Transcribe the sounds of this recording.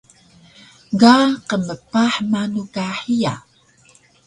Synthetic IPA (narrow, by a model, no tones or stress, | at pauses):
ɡaqəməpaħmanukaħia̰